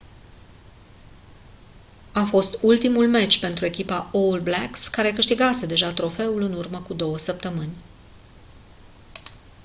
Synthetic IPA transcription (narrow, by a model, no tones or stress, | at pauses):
afo̞st̪ult̪imulmet͡ʃʲpe̞nt̪ɾue̞kʲipaoulblakskaɾe̞kɨʃt̪iɡase̞d̪e̞ʒat̪ɾo̞fe̞ulɨnurməkud̪o̞wəsəp̚t̪əmɨnʲ